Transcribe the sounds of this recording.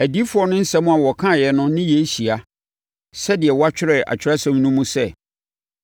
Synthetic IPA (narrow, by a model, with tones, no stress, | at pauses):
æ˨di˦fʊ˨˦ɔ˦nʊ̃˦n̩˦sɛ̃˦mũ˦a˨wɔ˨kʰã˦˨jɛ˨nʊ̃˦nɪ̃˦jɛ˨˦ɕi˨a˨ | sɛ˦dɪ˨ɛ˨wa˦t͡ɕᶣɪ˦ɾɛ˨a̰˨t͡ɕᶣɪ˦ɾa˦sɛ̃˦m˦nũ˦mũ˦sɛ˦˨